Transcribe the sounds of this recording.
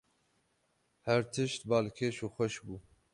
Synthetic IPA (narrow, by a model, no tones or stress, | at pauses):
hɛɾt̪ʰɨʃt̪bɑːlkʰeːʃuːxʷɛʃbuː